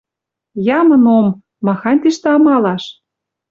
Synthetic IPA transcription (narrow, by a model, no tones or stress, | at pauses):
jɑmɤ̆nomː | ɑxɑnʲt̪iʃt̪ĕɑmɑlɑʃ